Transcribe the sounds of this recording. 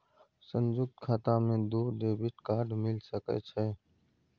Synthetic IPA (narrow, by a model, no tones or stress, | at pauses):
sənd͡ʒʊk̚t̪kʰaːt̪ãːmẽːd̪uːɾd̪eːbɪʈkaːɖʱmɪlsəkɛ̰ːt͡ʃʰɛː